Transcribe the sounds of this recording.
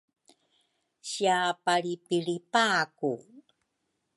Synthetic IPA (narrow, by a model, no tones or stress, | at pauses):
ɕiapaɾipiɭipaku